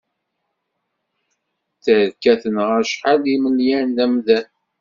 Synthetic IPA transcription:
θəɾkːæθənʁəʃħaliməljænlæmðæn

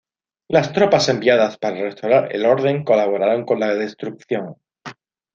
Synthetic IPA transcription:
last̪ɾo̞pase̞mbiaðaspaɾare̞st̪awɾaɾḛlo̞ɾð̞e̞ŋko̞laβ̞o̞ɾaɾoŋko̞nlaðe̞st̪ɾuk̚θjo̞ŋ

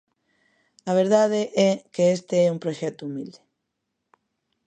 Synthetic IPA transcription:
aβ̞eɾð̞að̞eʔɛkeest̪eɛumpɾoʃet̪uumild̪e̥

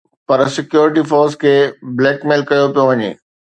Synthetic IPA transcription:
pɐɾsɪkjoːɾɪʈifɔːɾskʰeːbleːkmeːlkɐjopijoʋɐɲḛː

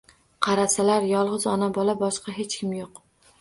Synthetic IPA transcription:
qʰɑɾasalaɾjɒlˠʁɨzɒnabɒlˠabɒʃqɑɦe̞t͡ʃkʲɪmjoq

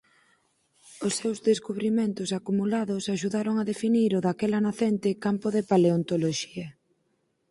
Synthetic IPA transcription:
osːewzðeskuβɾimẽnt̪ʊsakumulaðʊsaʃuðaɾoŋaðefiniɾʊðakɛlanaθent̪ɪkampʊðepaleont̪oloʃiɐ

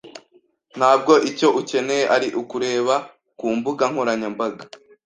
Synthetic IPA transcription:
n̥haːb̚ɡo̞ʔico̞ʔuce̞nejeʔaɾiʔukuɾe̞ːβa | kuːmbuɡaŋ̥hoɾaɲambaɡa

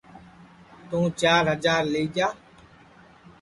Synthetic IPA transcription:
t̪ũːt͡ʃaːɾɦəzaːɾleːd͡ʒaː

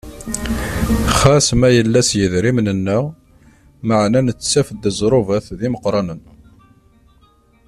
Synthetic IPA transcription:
χæsmæjəlːæsjəðɾimnənːə | məʕnænət͡sːt͡sːæfəd̪ːəzˤɾˤovæθðiməqɾˤɑnən

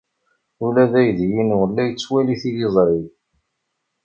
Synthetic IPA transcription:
ulæðæjðjinwəlːæjət͡sːwæliθilizˤɾˤiv

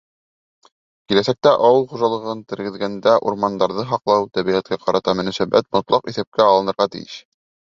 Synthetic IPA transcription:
kilæsæk̚t̪æʔɑwɤlˠχuʒɑlˠɤ̆ʁɤnt̪ɘ̆ɾɡɘ̆ðɡænd̪æʔṵɾmɑnd̪ɑɾðɤɦɑqlˠɑwt̪æβiʁæt̪̚kæqɑɾɑt̪ɑmɵ̆næsæbæ̰t̪̚mŏt̪lˠɑqiθæp̚kæɑlˠɤ̆nɤ̆ɾʁɑt̪ɘ̰jɘ̰ʃ

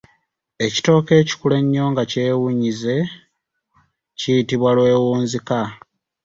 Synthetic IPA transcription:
e̞ci̥to̞ːke̞ːci̥kule̞ɲːo̞ːŋɡace̞ːwuɲize̞ | cijitiβwalwe̞ːwuːnzika

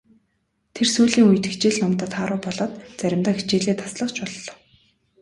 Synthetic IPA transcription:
t̪ʰersuːɮiːŋuj̆t̪ext͡ɕeːɮnɔmt̪ə̆t̪χaːɾʊːpɔɮɔːt̪t͡sæɾʲɪ̆mt̪aːxit͡ɕeːɮeːt̪ʰḁsɮə̆χt͡ɕpɔɮːɔ̥̆w

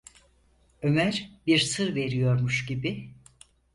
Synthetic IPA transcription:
ø̞mæɾbiɾsɯɾve̞ɾijo̞ɾmuʃɟibi

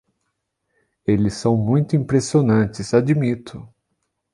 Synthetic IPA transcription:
elɪsːɐ̃w̃mũj̃t̪ʊĩmpɾesionɐ̃nt͡ʃɪsad͡ʒimit̪ʰʊ

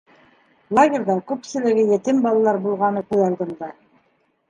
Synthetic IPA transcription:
lˠaɡʲeɾðɑkʉpsɘ̆lɘ̆ɡɘjɘ̆t̪ɘmbɑlˠɑlˠɑɾbulˠʁɑnɤkʉðɑlˠd̪ɤ̆md̪ɑ

